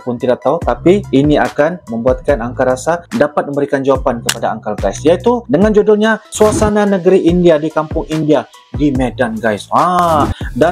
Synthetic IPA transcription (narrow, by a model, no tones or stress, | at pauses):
pʊnt̪idaʔk̚t̪aut̪apiːniakanməmbuat̪̚kanaŋkaɾasadapat̪̚mə̃mbəɾikand͡ʒawapankəpadaːŋkalɡajsijait̪udəŋand͡ʒodʊlɲasuasananəɡəɾiʔindiadikampʊŋindia | dimɛdanɡajsha | da